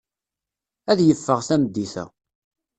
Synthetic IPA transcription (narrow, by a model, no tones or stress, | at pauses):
æðjəfːəʁθæməd̪ːiθæ̰